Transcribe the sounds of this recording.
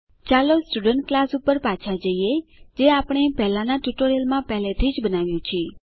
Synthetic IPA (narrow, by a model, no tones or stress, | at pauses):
t͡ʃalosʈuɖəɳʈ̚klasupəɾpat͡ʃʰad͡ʒəied͡ʒeapɽ̃epɛɦlanaʈuʈoɾelmãpɛɦlet̪ʰid͡ʒbənaʋjũt͡ʃʰe